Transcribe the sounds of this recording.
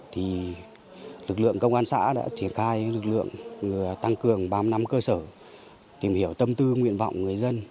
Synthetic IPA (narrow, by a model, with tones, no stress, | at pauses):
t̪ʰi˨˩ | lɨ˨˩k̚lɨ̰˧˨əŋkə˧wŋ͡mʔaː˧nsa̰ː˧˥ɗa̰ː˧˥t͡ɕi˧˩ənxaː˧jlɨ˨˩k̚lɨ̰˧˨əŋɨ˨˩ət̪a˧ŋkɨ˨˩əŋɓaː˧mna˧˦mkəː˧səː˧˩ | t̪i˨˩mhi˧˩əwt̪ə˧mt̪ɨ˧ŋwḭ˧ənva̰˧˨wŋ͡mŋɨ˨˩əjzə˧n